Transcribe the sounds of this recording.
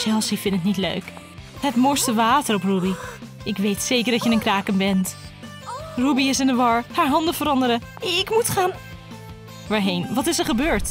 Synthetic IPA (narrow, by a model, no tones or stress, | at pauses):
t͡ʃɛlˠsifɪntətnitlø̰ɥk | ɦətmɔɹstəʋaːtərɔprubi | ɪkʋejtsejkəɹdɑtjənənkraːkəmbɛnt | rubiɪsɪndəʋɑɹhaːɹɦɑndəvəɾɑndəɾə | ɪkmutχaːn | ʋaːɹɦejnʋɑtɪsəɹχəbøːɹt